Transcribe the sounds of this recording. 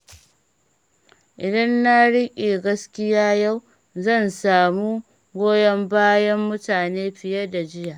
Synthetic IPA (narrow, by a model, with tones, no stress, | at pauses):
ʔɪ˨dɐ˦nːa˦ɽɪ˦kʲʼeː˨ɡɐ˦skʲɪ˦jaː˦ja˦˨w | zɐ˦˨nsaː˨mu˦ | ɡʷoː˦jɐ˦mbaː˦jɐ˦mːʊ˦taː˨neː˦ɸɪ˨jɐ˦da˨d͡ʒɪ˦jaː˨ʔ